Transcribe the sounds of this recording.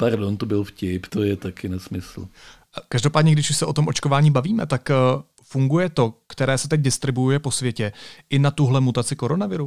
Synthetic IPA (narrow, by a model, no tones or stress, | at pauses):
paɾdont̪obɪlfcɪpt̪ojɛt̪akɪnɛsmɪsl̩ | kaʒdo̞paːdɲɛɡdɪʃuʃsɛʔo̞t̪o̞mʔo̞t͡ʃkovaːɲiːbaviːmɛ̰t̪akː | fuŋɡujɛt̪o̞kt̪ɛɾɛːsɛt̪ɛɟ̚dɪst̪ɾɪbujujɛpo̞svjɛcɛʔɪnat̪uɦlɛmut̪at͡sɪko̞ɾo̞navɪɾu